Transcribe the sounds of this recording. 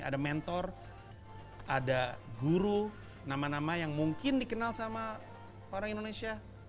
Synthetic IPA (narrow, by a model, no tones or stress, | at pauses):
a̰damɛnt̪ɔr | adaɡuɾu | namanamajaŋmuŋkɪndikənalsama | oɾaŋindonesia